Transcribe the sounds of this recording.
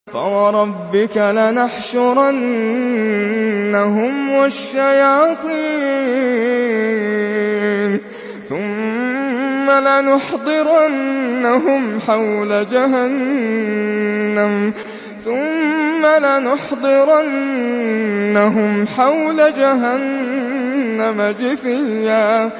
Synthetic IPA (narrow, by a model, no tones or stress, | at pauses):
fa̰wɑɾˤɑbːɪkalɪnaħʃʊɾˤʔan | aɦʊmwaʃːajɑːt̪ˤiː | n | θʊmː | alɪnʊħd̪ˤɨɾʔanːaɦʊmħawlad͡ʒaɦan | am | θʊmːalɪnʊħd̪ˤɨɾʔa | aɦʊmħawlad͡ʒaɦanː | amad͡ʒɪθɪjːa